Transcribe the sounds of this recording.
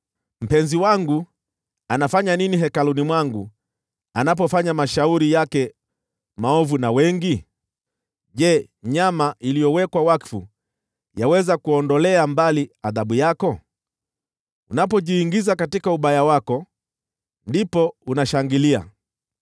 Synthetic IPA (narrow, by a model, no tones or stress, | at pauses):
m̩pɛnziwaŋɡu | anafaɲaniniɦɛkalunimwaŋɡu | anap̬ɔfaɲamaʃauɾijakɛ | maɔvunawɛŋɡi | ʄɛ | ɲamaʔilijɔwɛkwawakfṵ | jawɛzakuɔndɔlɛambaliaðaɓujakɔ | unapɔʄiːŋɡizakatikauɓajawakɔ | ndipɔunaʃaŋɡilia̰